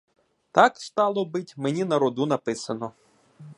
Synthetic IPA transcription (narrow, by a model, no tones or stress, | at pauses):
t̪ɑkst̪ɑlˠɔbɪtʲmenʲinɐɾɔd̪unɐpɪsɐnɔ